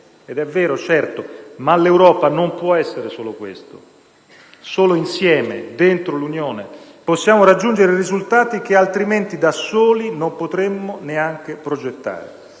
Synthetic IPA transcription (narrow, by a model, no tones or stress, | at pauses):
ed̪ɛvːɛːɾot͡ʃɛrt̪omalewɾɔːpanompwɔɛsːeɾesoːlokwḛst̪o̰ | soːloinsjɛːmḛd̪ent̪ɾolunjoːne | posːjaːmoɾad͡ʒːund͡ʒeɾerizult̪aːt̪ik̟ealt̪ɾiment̪id̪asoːlinompot̪ɾemːoneaŋk̟epɾod͡ʒet̪ːa̰ːɾḛ